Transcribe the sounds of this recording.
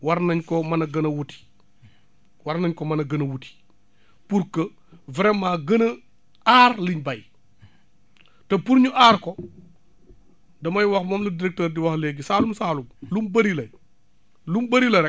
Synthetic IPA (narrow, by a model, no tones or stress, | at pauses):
wɐɾnɐɲkɔmɐnɐɡɐnɐwuti̥ | wɐɾnɐɲkɔmɐnɐɡɐnɐwuti̥ | puɾkɐ | vɾɛmːaːɡɐnɐ | aːɾliɲbɐj | tɐpuɾɲuʔaːɾkɔ | dɐmɐjwɐxmɔːmlɐdiɾɛk̚təːɾdiwɐxleɡisaːlumsaːlumlumbɐɾilɐ | lumbɐɾilɐɾɛ